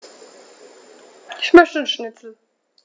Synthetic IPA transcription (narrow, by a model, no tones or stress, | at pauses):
ɪçmœçtən̩ʃnɪtt͡sl̩